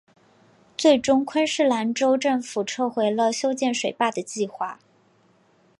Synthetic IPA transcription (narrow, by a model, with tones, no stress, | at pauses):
t͡swe˥˩ɪʈ͡ʂʊ˥ŋkʰwə˥nʂɻ̩˥˩la˧˥nʈ͡ʂo˥ʊʈ͡ʂə˥˩ŋfu˨˩ʈ͡ʂʰɤ˥˩xwe˧˥ɪlə˧ɕjo˥ʊt͡ɕjɛ˥˩nʂwe˨˩ɪpa˥˩d̪ə˩t͡ɕi˥˧xwa˥˩